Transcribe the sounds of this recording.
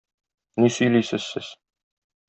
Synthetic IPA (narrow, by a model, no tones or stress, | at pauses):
nisyjlʲisɘ̆sːɘs